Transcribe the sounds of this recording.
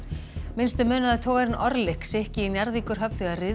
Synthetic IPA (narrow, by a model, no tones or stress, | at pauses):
mɪnst̪ʏmœːnaðat̪ʰoːwɣaɾɪnʔɔɾlɪhksɛhcɪinjaɾðikʏɾ̥ɦœpʏɣarɪ